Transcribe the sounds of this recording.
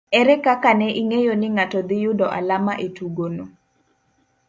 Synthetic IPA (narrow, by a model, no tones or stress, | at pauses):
ɛɾɛkakanɛʔiŋejonɪŋatɔd̪ɪjʊdɔʔa̰lamaʔetuɡono